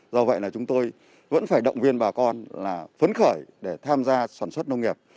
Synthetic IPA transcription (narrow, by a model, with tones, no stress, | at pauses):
zɔ˧və̰˧˨jlaː˨˩t͡ɕʊ˨˦ŋ͡mt̪o˧j | və̰˧˥nfaː˧˩jɗə̰˧˨wŋ͡mvi˧ənɓaː˨˩kɔ˧nlaː˨˩fə˨˦nxəː˧˩jɗe˧˩t̪ʰaː˧mzaː˧saː˧˩nswə˦˥t̚nə˧wŋ͡mŋi˨˩əp̚